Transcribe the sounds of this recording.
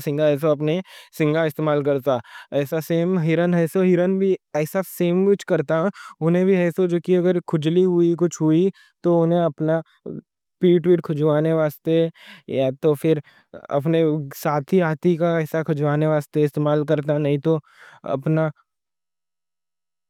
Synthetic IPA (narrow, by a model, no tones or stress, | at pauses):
sɪ̃ŋɡaɛːs̬oɐpnesɪ̃ŋɡaɪst̪eːmaːlkɐɾt̪aɛːsaseːmɦɪɾənɦɛːsoɦɪɾənbʱiɛːsaseːmʋɪt͡ʃʰkɐɾt̪aɦʊnɦẽbʱiɛːsod͡ʒoːkiɐɡəɾkʰʊd͡ʒliɦʊikʊt͡ʃʰɦʊi | t̪oʊnẽɐpna | piːʈʋiːʈkʰʊd͡ʒʋaːneʋaːst̪ejat̪ofɪɾ | ɐ̰p̬nesaːt̪ʰiaːt̪ʰikaɛːsakʰʊd͡ʒʋaːneʋaːst̪eɪst̪eːmaːlk̬ɐɾt̪̬anɐɦĩt̪o | ɐ̰pna